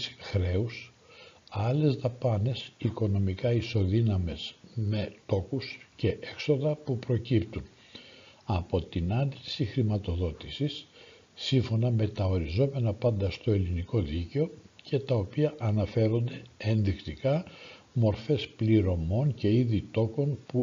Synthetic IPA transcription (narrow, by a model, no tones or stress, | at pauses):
sxɾe̞us | ɐle̞zðɐpɐne̞siko̞no̞mikɐiso̞ðinɐme̞sme̞t̪o̞kusce̞ʔekso̞ðɐpupɾo̞cipt̪un | ɐpo̞t̪inɐnd̪isixɾimɐt̪o̞ðo̞t̪isisː | iɱfo̞nɐme̞t̪ɐo̞ɾizo̞me̞nɐpɐnd̪ɐst̪o̞e̞liniko̞ðiceo̞cʰe̞t̪ɐo̞piɐʔɐnɐfe̞ɾo̞nd̪e̞enðixt̪ikɐ | mo̞ɾfe̞spliɾo̞mo̞nce̞iðit̪o̞ko̞npu